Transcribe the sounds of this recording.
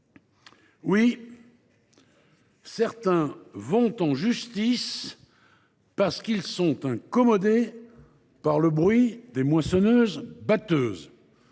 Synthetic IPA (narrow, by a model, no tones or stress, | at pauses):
wi | sɛʁt̪ɛ̃vɔ̃t̪ɑ̃ʒyst̪is | paʁsə̥kilsɔ̃t̪ɛ̃kɔmɔd̪e | paʁləbʁɥid̪emwasɔnøːzbat̪øːz